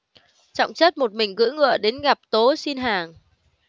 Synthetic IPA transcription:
t͡ɕɔ̰˧˨wŋ͡mt͡ɕə˦˥t̚mo˨˩t̚mï˨˩ŋ̟ɣɨ̰˧˥ŋɨ̰˧˨əɗe˨˦nɣa˨˩p̚t̪o˨˦si˧nɦaː˨˩ŋ

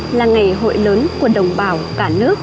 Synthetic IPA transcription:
laː˨˩ŋa˨˩jɦo̰˧˨jləː˨˦nku˧˩əɗə˨˩wŋ͡mɓaː˨˩wkaː˧˩nɨ˦˥ək̚

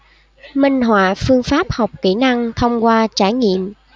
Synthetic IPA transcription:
mï˧ŋ̟ɦwa̰ː˧˨fɨ˧əŋfaː˦˥p̚ha˨˩wk͡p̚ki˧˩na˧ŋt̪ʰə˧wŋ͡mkwaː˧t͡ɕaː˧˩jŋḭ˧˨əm

